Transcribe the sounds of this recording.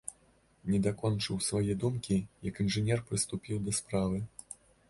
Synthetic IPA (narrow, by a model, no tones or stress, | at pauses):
nʲɛd̪akɔnt͡ʂɨwsvajɛd̪umkʲijɐkinʐɨnʲɛrpɾɨst̪upʲiwd̪ɐspɾavɨ